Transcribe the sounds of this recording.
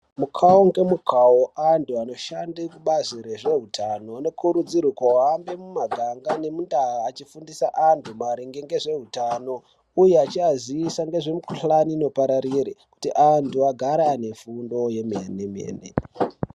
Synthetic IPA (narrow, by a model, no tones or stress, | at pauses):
mukʰaoŋɡe̞mukʰaoʔantʰuano̞ʃandikuɓaziɾe̞ʐe̞ɦutʰanoano̞kʰuɾud͡ziɾukowambe̞mumaɡʱaŋɡane̞mundaaːt͡ʃifundisaʔantʰumaɾiŋɡeŋɡe̞ʐe̞ɦutano̞ | ujeat͡ʃiaziisaŋɡe̞ʐe̞mukuɬaniːno̞paɾaɾiɾiku̥tiʔantʰuaɡʱaɾane̞fundo̞jemenemḛːnḛ